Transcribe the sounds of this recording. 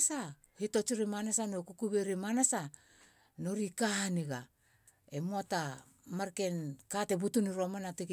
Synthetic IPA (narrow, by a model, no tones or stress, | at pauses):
sa | hito̞t͡ʃiɾimanasanokukuβeɾimanasa | no̞ɾikahaniɡa | emoata | maɾke̞nkate̞butuniɾo̞manatiɡ